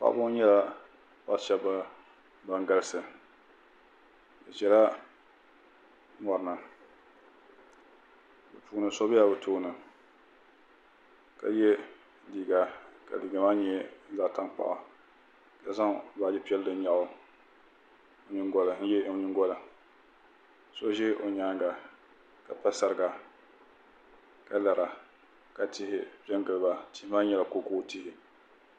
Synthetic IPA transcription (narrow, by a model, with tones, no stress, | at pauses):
pa̰˦ʔbʊ˦ɲɛ˦la˦ | pa̰˦ʃɛ˦bːa˦ | ba˨ŋɡa˦lsɨ˨ | dɨ˨t͡ʃɛ˨la˦ | mɔ˨ɾɨ˨nɨ˨ | bɨ˨pu˨˦nɨ˨sɔ˦bɪ˦ja˨bɨ˨tuː˦nɨ˨ | ka̰˨jɛ˦ | diː˨ɡa˨ka̰˨diː˨ɡa˨maː˦ɲɛ˦n̩˦za˨ta˦ŋk͡pa̰˨ʔa̰˨ | ka˨sa˦ŋ˨˦ba˨d͡ʒɪ˦pi˦ɛ˦ldɨ˨n˦ɲa˨ʔʊ˨˦˨ | ɲɪ˦ŋɡɔ˦la˨n̩˦jɛ˦˨ɲɪ˦ɡɔ˦la˨ | so˦ʒɪ˦ʔo˨ɲaː˨˦ŋ˦ɡa˨ | ka˨pa˦sa˨ɾɨ˨ɡa˨ | ka˦la˨ɾa˨ | ka˨tɪ˦ɦɪ˦pɛ˦nɡɨ˨lɨ˨ba˨tɪ˦hɪ˦ma˦ɲɛ˦˨la˨ko˨˦koː˦˨ti˦hɪ˨